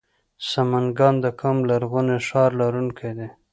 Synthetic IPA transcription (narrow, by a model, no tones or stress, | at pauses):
samanɡɑnd̪əkʰamlaɾɣuneʂɑɾlaɾunkʰajd̪e